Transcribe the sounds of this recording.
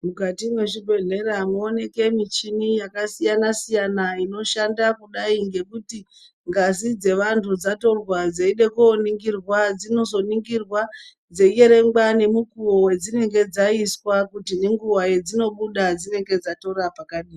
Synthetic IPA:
mukatimweʐibʱe̞ɮe̞ɾamuone̞ke̞mit͡ʃinijakasijanasijanaino̞ʃandakuɗaiŋɡe̞kuti | ŋɡazid͡ze̞ʋantʰud͡zato̞rwad͡zeiɗe̞kuːniŋɡirwad͡zino̞zo̞niŋɡirwa | d͡zeieɾe̞ŋɡane̞mukuowe̞d͡zine̞ŋɡe̞d͡zaiswakutineŋɡuwaje̞d͡zino̞ɓuɗad͡zine̞ŋɡe̞d͡zato̞ɾapakaɗiːi

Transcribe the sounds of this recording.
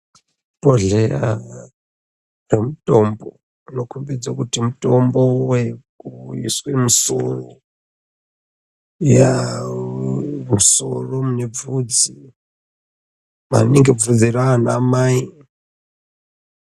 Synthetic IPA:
poɮeɾa | remutʼombo | nokumbid͡zakutimutʼombowekuḭswemuso̰ro | ja | muso̰romune̞b͡vud͡zi | ma̰niŋɡevud͡ziraanaːmaːi

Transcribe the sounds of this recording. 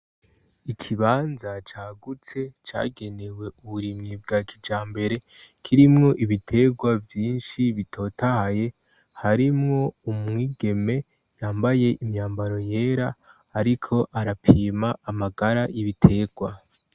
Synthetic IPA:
ikʰiβaːnzat͡ʃaːɡut͡se̞t͡ʃa̰ːɡe̞ne̞we̞uβuɾimŋibɡaːkʰid͡ʒaːmbe̞ɾe̞ | kʰiɾimŋo̞ʔiβitʰe̞ɡwavjiːnʃiβitʰo̞ːtahaje̞ | haɾimŋo̞umŋiːɡe̞me̞ | jaːmbaje̞ʔimɲaːmbaɾo̞je̞ːɾaː | ɾikʰo̞ʔaɾapʰiːmaːmaɡaɾajiβitʰe̞ɡ̥wa

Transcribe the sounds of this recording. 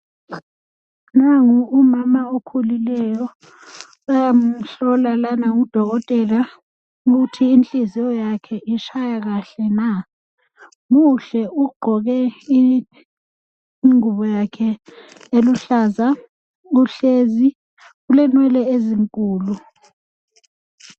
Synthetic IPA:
naŋuumamaokʰulilɛjɔ | ajam̩ɬɔlalanaŋud̥ʱɔɣɔtʼɛla | uɣutʰiːnt͡ɬʼizijɔjakʰɛʔiʃʰajaɣaɬɛna | muɬɛuɡ͡ǃʱɔɣɛi | ŋuβɔjakʰɛ | eluɬaːza | uɬezi | ɣulɛnwɛlɛeziŋkʼuːlu

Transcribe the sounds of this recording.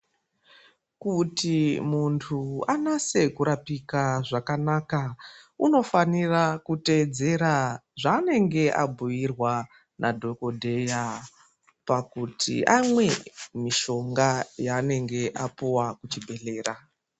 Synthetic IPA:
kutimuntʰuanase̞kuɾapikaʐakanaːkauno̞fanirakute̞d͡ze̞ɾaʐane̞ŋɡe̞ʔa̰bʱujirwa | nʔadʱo̞ko̞dʱe̞ja | pakutʰḭʔamwe̞miʃo̞ŋɡajaːne̞ŋɡe̞ʔapuwakut͡ʃibʱe̞ɬe̞ːra

